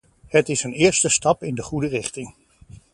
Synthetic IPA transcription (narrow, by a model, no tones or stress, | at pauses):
ətɪsənɪːɹstəstɑpɪndəχudərɪχtɪŋ